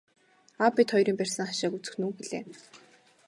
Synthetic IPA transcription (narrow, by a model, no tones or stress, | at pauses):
apːet̪χɔjɾiːmpærʲsə̆ŋχaʃaːkut͡sɘ̆xnuːxeɮḛː